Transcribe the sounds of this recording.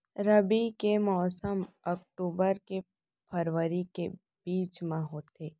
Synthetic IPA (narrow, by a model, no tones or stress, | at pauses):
ɾəbikemɔːsəmək̚ʈuːbəɾke | pʰəɾʋəɾike | b̥iːt͡ʃmãɦoːt̪eː